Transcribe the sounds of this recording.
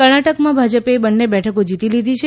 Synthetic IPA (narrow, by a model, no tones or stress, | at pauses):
kəɾɳaʈəkmãbʱad͡ʒəpebənːebɛʈʰəkod͡ʒit̪ilid̪ʱit͡ʃʰe